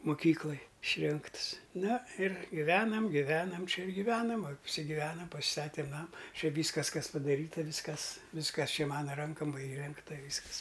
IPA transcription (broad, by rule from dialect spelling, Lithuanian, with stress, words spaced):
mʊˈkʲiːklˠɐj ɪʃʲˈrʲɪŋkts ˈnɐ ɪr ɡʲɪˈʋʲæːnɐm ɡʲɪˈʋʲæːnɐm ˈt͡ʃʲɛ ɪr ɡʲɪˈʋʲæːnɐm ɐpʲsʲɪɡʲɪˈʋʲæːnɐm pɐsʲɪˈstɑːtʲeːm ˈnɑːmɐ ˈt͡ʃʲɛ ˈʋʲiːskɐs ˈkɐs pɐdɐˈrʲiːtɐ ˈʋʲiːskɐs ˈʋʲiːskɐs ˈt͡ʃʲɛ ˈmɑːnɐ ˈrɐŋkɐm ˈʋɐ iːˈrʲɛŋktɐ ˈʋʲiːskɐs